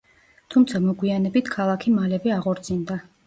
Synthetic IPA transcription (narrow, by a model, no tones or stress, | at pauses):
t̪ʰumt̪sʰamɔɡwianɛbit̪ʰkʰalˠakʰimalɛbɛaʁɔɾt̪sʰʼind̪a